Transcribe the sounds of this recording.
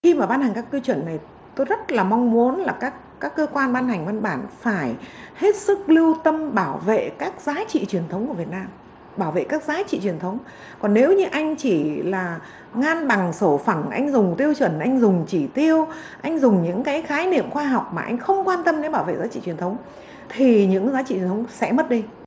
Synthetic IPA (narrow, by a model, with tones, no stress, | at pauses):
xi˧maː˨˩ɓaː˧nha˨˩ŋ̟kaː˦˥kːɨ˧t͡ɕwə˧˩nːa˨˩j | t̪o˧jzə˦˥t̚laː˨˩ma˧wŋ͡mmu˨˦ənlaː˨˩kaː˦˥kː | aː˦˥kːəː˧kwaː˧nɓaː˧nha˨˩ŋ̟va˧nɓaː˧˩nfaː˧˩jhe˦˥t̚sɨ˦˥k̚lɨ˧əwt̪ə˧mɓaː˧˩wvḛ˧˨kaː˦˥k̚zaː˨˦t͡ɕḭ˧˨t͡ɕwi˨˩ənt̪ʰə˨˦wŋ͡mku˧˩əvət̚naː˧m | ɓaː˧˩wvḛ˧˨kaː˦˥k̚zaː˨˦t͡ɕḭ˧˨t͡ɕwi˨˩ənt̪ʰə˨˦wŋ͡m | kɔ˨˩nːe˨˦wɲɨ˧ʔa˧jŋ̟t͡ɕi˧˩laː˨˩ | ŋaː˧nɓa˨˩ŋso˧˩fə˧˩ŋʔa˧jŋ̟zʊ˨˩ŋ͡mt̪i˧əwt͡ɕwə˧˩nʔa˧jŋ̟zʊ˨˩ŋ͡mt͡ɕi˧˩t̪i˧əw | ʔa˧jŋ̟zʊ˨˩ŋ͡mɲɨ̰˧˥ŋkaː˨˦jxaː˨˦jnḭ˧˨əmxwaː˧ɦɔ˨˩wk͡p̚maː˨˩ʔa˧jŋ̟xə˧wŋ͡mkwaː˧nt̪ə˧mɗe˨˦nɓaː˧˩wvḛ˧˨zaː˨˦t͡ɕḭ˧˨wi˨˩ənt̪ʰə˨˦wŋ͡m | t̪ʰi˨˩ɲɨ̰˧˥ŋzaː˨˦t͡ɕḭ˧˨t͡ɕ̪ʰŋ͡msɛ̰˧˥mə˦˥t̚ɗi˧